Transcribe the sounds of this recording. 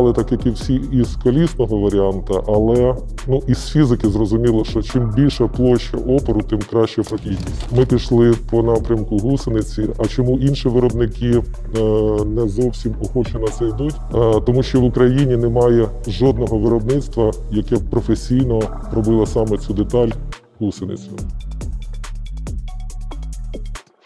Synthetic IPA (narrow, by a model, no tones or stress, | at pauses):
lˠɪt̪ɐkɐkɪwsʲiiskɔlʲisnɔɦɔʋɐɾʲiɑnt̪ɐʔɐlˠɛ | nuʔisfʲizɪkɪzrɔzʊmʲilˠɐʃt͡ʃɔt͡ʃɪmbʲilʲʃɐplˠɔʃkɐʔɔpeɾʊt̪ɪmkɾɑʃt͡ʃɔɔpɔkʲijnʲismɪpʲiʃlˠɪpɔnɑpɾʲɐmkʊɦusenɪt͡sʲiɐt͡ʃɔmuʔinʃiʋɪɾɔbnɪkɪ | nɛzɔwsʲimɔxɔt͡ʃenɐt̪sɛjd̪utʲt̪ɔmuʃt͡ʃɔʋʊkɾɐjinʲinemɑjɛ | ʒɔd̪̚nɔɦɔʋɪɾɔbnɪt̪st̪ʋɐjɐkɛpɾɔfesʲijnɔɾɔbɪlˠɐsɑmɛt͡sʲud̪et̪ɑlʲ | ɦusenɪ̰t͡sʲʊ